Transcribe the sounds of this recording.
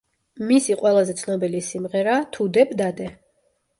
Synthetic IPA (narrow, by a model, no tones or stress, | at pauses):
misiqʼwɛlˠazɛt̪sʰnɔbɛlisimʁɛɾat̪ʰud̪ɛbd̪ad̪ɛ